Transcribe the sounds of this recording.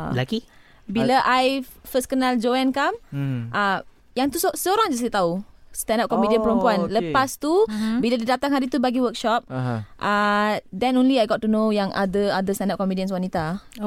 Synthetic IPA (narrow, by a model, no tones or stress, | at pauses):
laki | bilaʔajfəskənald͡ʒoɛnkamʔa | jaŋt̪ussəoɾaŋd͡ʒaslit̪aust̪ɛndap̚kɔmipdiənpəɾumpuanləpast̪ubiladidat̪aŋɦaɾit̪ubaɡiwək̚ʃɔp̚ʔadɛnõnliajɡɔt̚tːunojaŋʔa̰dəadəst̪ãndap̚kɔmidiəns̬wanit̪a